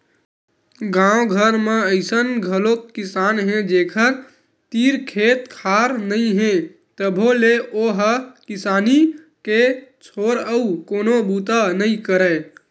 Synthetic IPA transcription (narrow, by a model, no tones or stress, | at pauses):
ɡãõɡʱəɾmeəɪsənɡʱəlokːisanɦẽd͡ʒekʰəɾ | t̪iɾkʰet̪kʰaɾnəĩɦẽ | t̪əbʱoleoɦəkisani | ket͡ʃʰoɾəukonobut̪anəĩkəɾə